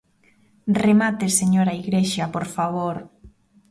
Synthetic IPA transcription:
remat̪eseɲoɾaiɣɾeʃapoɾfaβoɾ

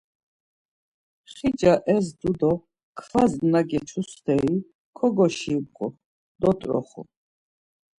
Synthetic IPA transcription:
χid͡ʒaʔɛzd̪ud̪ɔ | kʰχaznaɡɛt͡ʃʰust̪ʰɛi | kʰɔɡɔʃipqʼṵ | d̪̥ɔt̪ʼɾɔ̰χṵ

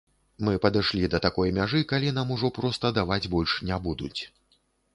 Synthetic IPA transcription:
mɨpɐd̪ɨʂlʲid̪ɐt̪akɔjmʲaʐɨkalʲin̪amuʐɔpɾɔst̪ɐd̪avad͡zʲbɔlʲʂnʲabud̪ut͡sʲ

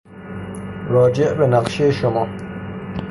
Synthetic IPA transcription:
ɾɒːd͡ʒeʔbenaqʃejeʃomɒː

